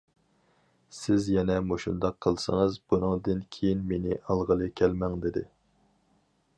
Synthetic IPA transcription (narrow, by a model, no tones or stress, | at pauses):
sɪzjɛnɛmoʃṵnd̪ɑqʰːəlˠsə̰ŋɨzbunɨŋd̪ɨnkʲʰejinmenɪʔɑlˠʁəlˠɨkʲʰɛlmɛŋd̪ɪd̪ɪ̰